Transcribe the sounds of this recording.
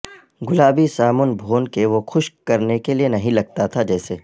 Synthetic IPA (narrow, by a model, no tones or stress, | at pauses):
ɡʊlaːbisaːmʊnbʱoːnkeʋoxʊʃkɐɾnekelienɐɦĩlɐɡ̚t̪at̪ʰad͡ʒɛːseː